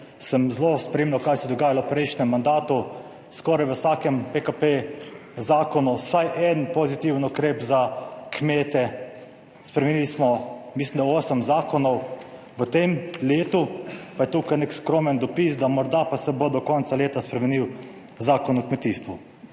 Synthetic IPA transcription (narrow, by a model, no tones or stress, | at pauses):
səmzlospɾeːmlʲawkajsɛd̪ɔɡaːjalɔwpɾɛjʃnɛmːand̪aːt̪u | skɔːɾajʋəsaːkɛmpekapezaːkɔnɔwsajʔɛnpɔzit̪iwənukɾeːpzakmeːt̪ɛ | spɾɛmɛnilismɔmislimd̪aoːsəmzaːkɔnɔw | ʋət̪emleːt̪upajɛt̪uːkajnekskɾoːmənd̪ɔpisd̪amɔɾd̪apasɛbod̪ɔkɔnt̪saleːt̪aspɾɛmɛniw | zaːkɔnukmɛt̪iːst̪ʋu